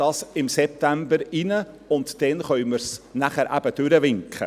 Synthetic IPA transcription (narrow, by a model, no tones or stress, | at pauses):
ɑːsɪmsɛp̚t̪æmbəɾɪnə | ʊnt̪d̥ɛnχœʏməɾsnæχəɾʔæ̰b̥əd̥ʉɾəʋɪŋkχə̰